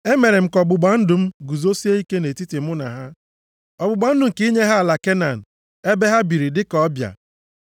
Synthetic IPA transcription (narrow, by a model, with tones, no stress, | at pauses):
e˦me˨ɾe˨m̩˦kɔ˨ɡ͡bʊ˨ɡ͡ba˨n̩˦dʊ˨m̩˦ɡu˨zo˦si˦e˦i˦ke˦ne˨ti˦ti˨m̩˦ʊ˦na̰˨ɦa˦ | ɔ˨ɡ͡bʊ˨ɡ͡ba˨˦n̩˦dʊ˨ŋ̩˨ki˦ɲe˦ɦa˦a˨la˨ke˦na˨n̩˨ | e˦be˦ɦa˦bi˨ɾi˨dɪ˦kɔ˨˦bja̰˨